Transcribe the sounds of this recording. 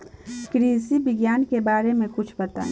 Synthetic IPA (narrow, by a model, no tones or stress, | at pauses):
kɾisibɪɡjaːnkebaːɾemẽkʊt͡ʃʰbət̪a̰ː